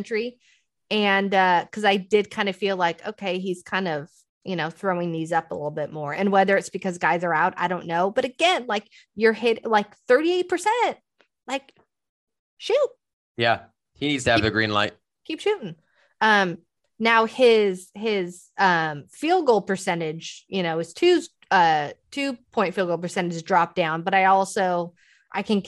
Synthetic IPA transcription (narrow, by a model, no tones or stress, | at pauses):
nt͡ʃɹ̥i | ɨ̃nʌkʰʌzaɪdɪd̚kʰãɪ̃ndɨfilaɪko̰ʊkʰeɪiz̥kʰãɪ̃ndʌv̥ | jʔɨñoʊθɹoʊɪ̃ŋðizʌpə̰lɪɾl̩ˠbɪt̚mɔɹɨ̃nwɛðə˞ɨtsb̥ɨkʰʌzɡaɪzə˞aʊɾa̰ɪɾõʊ̃nːoʊbʌɾɨɡɛ̃nlaɪk | jə˞hɪɾlaɪkθɜ˞ɾieɪt̚pʰə˞sɛ̃nt̚ | laɪk | ʃʉt̚ | jæ | hiz̥ɨvðɨɡɹḭ̃nla̰ɪt̚ | kʰipʃʉɾɪ̃ŋ | ʌ̃m | naʊɪz̥ɪz̥ | ʌ̃mfilˠɡol̚ˠpʰə˞sɛ̃ñɪ̥d͡ʒjɨñoʊɨz̥tʰʉ | ʌtʰʉpʰɔ̃ɪ̃ntfilˠɡolˠpʰə˞sɛ̃ɾ̃ɨd͡ʒzdɹɑp̚d̥ãʊ̃nbʌɾaɪɔlˠsoʊ | ʔaɪkʰɨ̃n